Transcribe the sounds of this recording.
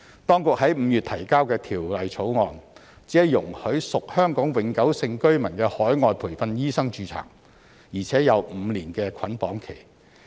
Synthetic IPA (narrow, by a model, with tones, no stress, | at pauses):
t̪ɔː˥ŋkʊ˨k̚hɐ˨˥jm̩˨˧jyː˨t̪ʰɐ˨˩jkaː˥wkɛː˧t̪ʰiː˨˩wlɐ˨jt͡sʰo˨˥wŋɔː˨n | t͡siː˨˥ɐ˨˧jʊ˨˩ŋhɵ˨˥ɥsʊ˨k̚hœː˥ŋkɔː˨˥ŋwɪ˨˥ŋkɐ˨˥wsɪ˧ŋkɵ˥ɥmɐ˨˩nkɛː˧hɔː˨˥jŋɔː˨˧jpʰuː˨˩jfɐ˧njiː˥sɐ˥ŋt͡ʃyː˧t͡sʰa̰ː˨˩ŋ | jiː˨˩t͡sʰɛː˨˥jɐ˨˧wm̩˨˧liː˨˩nkɛː˧kʰɐ˨˥npɔː˨˥ŋkʰe˨˩j